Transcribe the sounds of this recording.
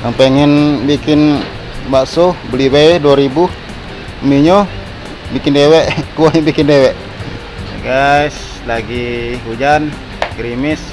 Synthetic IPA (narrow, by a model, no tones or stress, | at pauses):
ʔaŋpɛŋɛnbikɪn | baʔsobəlibeduaɾibuh | miɲɔ | bikindewɛʔkualibikɪndewɛʔ | ɡais | laɡiɦud͡ʒan | ɡɾimɪs